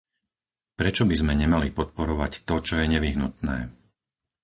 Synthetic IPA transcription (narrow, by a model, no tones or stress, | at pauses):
pɾɛt͡ʃɔbizmɛɲɛmalipɔt̪̚pɔɾɔʋact̪ɔt͡ʃɔjɛɲɛʋiɦnut̪nɛ̰ː